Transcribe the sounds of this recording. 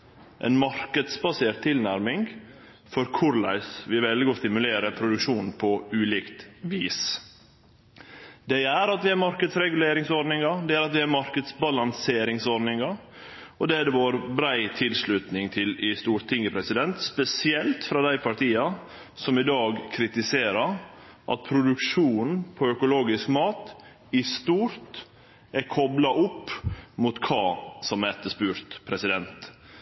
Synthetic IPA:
ʔɛ̰nmɑɾkəd̪sbɑseːɾʈt̪ʰːɪlnæɾmɪŋ | fɔɾkʰʊɾlæ̰ɪsʋɪʋɛld̪ɪɡɔst̪ɪmʉleːɾəpʰɾʊd̪ʉkʂuːnn̩pʰɔʉːliːkt̪ʋiːs | d̪ɛæɾɑt̪ʋɪæɾmɑɾkəd̪sɾɛɡʉleːɾɪŋsɔɖnɪŋɑd̪ɛæɾɑt̪ʋɪæɾmɑɾkəd̪sbɑlɑnseːɾɪŋsɔɖnɪŋɑ | ɔd̪ɛːæd̪ɛʋoːɾbɾæɪt̪ʰɪlslʉt̪nɪŋt̪ʰɪlɪst̪uːɾʰɪŋːəpʰɾɛsɪd̪ɛnt̪spɛsɪɛlt̪fɾɑd̪æɪpʰɑʈʰiːɑ | sɔmɪd̪ɑːɡkʰɾɪt̪ɪseːɾəɾ | ʔɑ̰t̪̚pʰɾʊd̪ʉkʂuːn̩n̩pʰɔœkʊloːɡɪskmɑːt̪ | ɪst̪uːɾt̪ | æɾkʰɔblɑʔʊpːmʊt̪kʰɑːsɔmɛt̪ːəʂpʉːɾt̪pʰɾɛsɪd̪ɛnt̪

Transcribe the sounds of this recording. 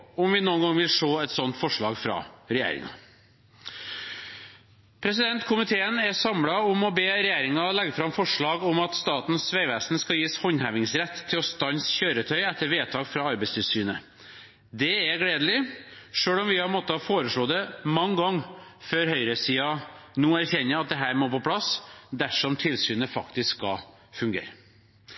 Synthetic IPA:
ɔmʋɪnuːənɡɑŋʋɪlʂoːɛt̪sɔnt̪fɔʂɭɑ̰ːɡfɾɑ̰ɾɛjæ̰ːɾɪ̰ŋɑ̰ | pʰɾɛs̬ɪd̪ɛnt̪kʰʊmɪt̪ʰeːənɛsɑmɽɑʊmɔbeːɾɛjæːɾɪŋɑlɛɡːəfɾɑmfɔʂɭɑːɡʊmɑt̪st̪ɑːt̪nsʋæɪʋæːsnskɑjiːshɔnhæʋɪŋsɾɛt̪ʰːɪlɔst̪ɑnsçøːɾət̪ʰœʏɛt̪ʰːəɾʋeːt̪ʰɑːkfɾɑːɑɾbɛɪst̪ʰɪlsyːnə | d̪ɛæɡɽeːd̪əlɪʂøːɭɔmʋɪhɑɾmɔt̪ːəhɑfoːɾəʂɭoːd̪ɛmɑŋːɡɑŋːføːɾhœʏɾəsiːɑnuːæɾçɛnːəɾɑt̪̚d̪ɛɦæːɾmoːpɔpʰlɑsd̪æʂɔmt̪ʰɪlsyːnəfɑkt̪ɪskːɑ̰ | fʉŋɡḛːɾə

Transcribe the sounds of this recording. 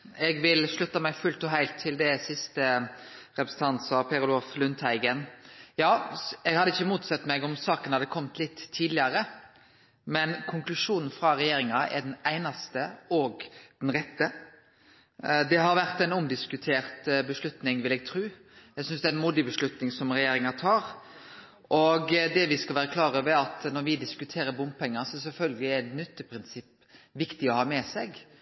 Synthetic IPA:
ɛɡʋɪlʂlʉt̪ːɑmɛɡfʉlt̪ɔɦæɪlt̪ʰːɪld̪ɛsɪst̪əɾɛpɾəsn̩t̪ʰɑnt̪sɑpʰɛɾʊloːflʉnt̪ʰhæɪɡənjɑːɛɡhɑd̪ːəɪçːəmuːt̪sɛt̪ːmɛɡɔmsɑːkənhɑd̪ːəkʰɔmt̪lɪt̪ʰːiːd̪lɪɑɾə | mɛnkʰʊŋklʉʂuːnn̩fɾɑɾɛjeːɾɪŋɑɛ̰ɖɛnæɪnɑst̪əɔɡd̪̥ɛnɾɛt̪ːə | d̪ɛɦɑɾʋæɾt̪ɛɪnʊmd̪ɪskʉt̪ʰeːɾt̪bəʂlʉt̪nɪŋʋɪlɛːɡ̚t̪ʰɾʉː | jæɡsʏnsd̪ɛæɾɛnmuːd̪ɪbəʂlʉt̪nɪŋsɔmɾɛjeːɾɪŋɑt̪ʰɑːɾ | ʔɔɡd̪ɛʋɪskɑlʋæːɾəkʰlɑːɾəʋæɑt̪nɔɾʋɪd̪ɪskʉt̪ʰeːɾəbʊmpʰɛŋːɑsɔɛs̬ɛlfœlɡəlɪæt̪nʏt̪ːəpʰɾɪnsɪpː | ʋɪkt̪ɪɔhɑːmɛsɛɡ

